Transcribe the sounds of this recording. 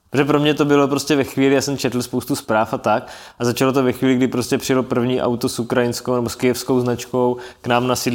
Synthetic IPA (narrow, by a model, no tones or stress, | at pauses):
pɾʒɛpɾo̞mɲɛt̪o̞bɪlo̞pɾo̞scɛvɛxʋiːlɪjaːsɛmt͡ʃɛt̪l̩spowst̪uspɾaːfat̪ak | ʔazat͡ʃalot̪ovɛxviːlɪɡdɪpɾoscɛpr̥ɪjɛlopr̩vɲiːʔa̰wt̪osukɾajɪnskownɛboskɪjɛfskowznat͡ʃko̞wknaːmnasɪ